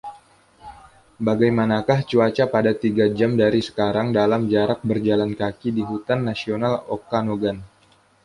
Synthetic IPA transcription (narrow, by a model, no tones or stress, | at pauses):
baɡajmanakaht͡ʃuat͡ʃapadat̪iɡad͡ʒamdaɾisə̥kaɾaŋdalamd͡ʒaɾak̚bərd͡ʒalankakidiɦut̪anːasionalokanoɡan